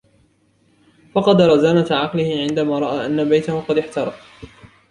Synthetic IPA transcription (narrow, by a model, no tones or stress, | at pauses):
fɑqɑd̪ɾˤɑzaːnat̪ʕɑqlɪhɪʕɪnd̪amaːɾˤɑʔaːʔanːabajt̪ahʊqɑd̪ɪħt̪ɑɾˤɑf